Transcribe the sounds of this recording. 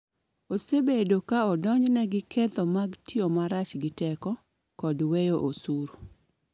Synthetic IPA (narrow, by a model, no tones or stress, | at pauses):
osebedokaɔdɔɲd͡ʒnɛɡɪket̪ɔmaɡtiomaɾat͡ʃɡɪtɛkɔ | kɔdwejoʔosuɾo